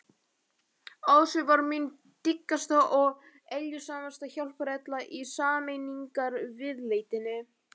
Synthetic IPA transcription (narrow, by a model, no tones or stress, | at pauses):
awðsʏvaɾmin | t̪ikːast̪aʔɔɣ | eljʏsaːmast̪açawlpɾɛt̪laʔisaːmejniŋkaɾvɪðleːjt̪ɪnːɪ